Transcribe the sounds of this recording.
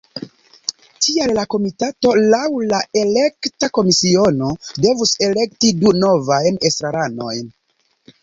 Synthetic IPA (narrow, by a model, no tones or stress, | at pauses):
tʰiallako̞mitato̞lawlae̞le̞ktako̞misio̞no̞de̞vuse̞le̞ktiduno̞vajne̞stɾaɾano̞jn